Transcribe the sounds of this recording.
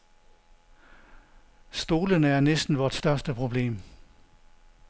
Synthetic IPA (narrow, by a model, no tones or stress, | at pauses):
sd̥o̝ːlənəæɐnesd̥n̩ʋɒːd̥sd̥ɶɐsd̥əpʰʁo̝b̥le̝̰ːm